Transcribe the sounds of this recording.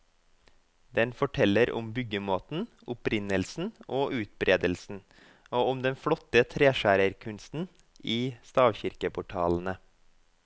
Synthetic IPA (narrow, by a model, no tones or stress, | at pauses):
d̪ɛnfɔʈʰɛləɾʊ̰mbʏɡəmoːt̪n̩ | ʊpɾɪnəlsn̩oːʔʉːt̪̚bɾʔeːd̪əlsn̩ | oːʊmd̪ɛnfɽɔt̪ət̪ʰɾeːʃæːɾəɾkʰʉnst̪n̩ | ʔiːst̪ɑːʋçɪɾkəpʰʊʈʰɑːln̩ə